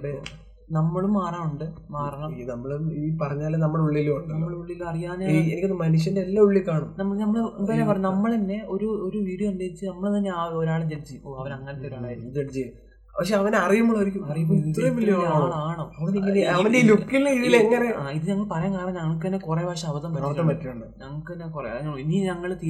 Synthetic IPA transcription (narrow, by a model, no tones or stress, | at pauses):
ɽe | nɐmːɐɭumːaːraːmuɳɖɨmaːrɐɳɐmnɐmːɐɭumiːpɐrɐɲːaːlnɐmːɐɭuɭːilːumuɳɖnɨɐmːɐɭuɭːilːumɐrijaːneienikʲːonːɨmɐnuʂ̬jɐndeelːauɭːikːaːɳumnɐmːɐnɐmːɐɭpɐɾepɐrɐɲːunɐmːɐɭnːe̞o̞ɾuoɾuʋiːɽijɐkɐnɖeːit͡ɕːɨnɐmːɐɭt̪ɐnːeaːoɾaːɭed͡ʑelt͡ɕːioːɐʋɐnɐŋːɐnɐt̪ːeɾaed͡ʑeʈt͡ɕeju | pɐkʂeɐʋɐneɐrijumːoɭːoɾikʲːumɐrijupːoit̪ːɾrɐmʋilːijɳoɭaːɳɐɐʋɐɳɐd̪iŋɡɐɐʋɐndeiːlukːilːeiðileŋːɐreaːiðɨɲɐŋːɐɭpɐrɐjaːŋkaːrɐɲːɲɐːɭkːenːekurebʱaːʂɐɐʋɐðɐmɐɐmpɐtːumuɳɖɨɲɐŋːɐɭkɨnːekurɲiniːɲɐŋːɐɭt̪i